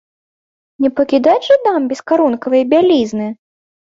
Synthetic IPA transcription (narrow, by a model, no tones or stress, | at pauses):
nʲɛpɐkʲid̪at͡sʐɨd̪ambʲɛskaɾunkɐvɨjɐbʲalʲiznɨ